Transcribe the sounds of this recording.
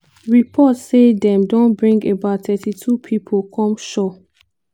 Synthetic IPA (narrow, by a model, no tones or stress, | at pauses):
ɹipʰɔtsedɛ̃mdõnbɹĩŋɡebaʊtʰɛtʰitʰupʰipʰokʰɔ̃mʃɔ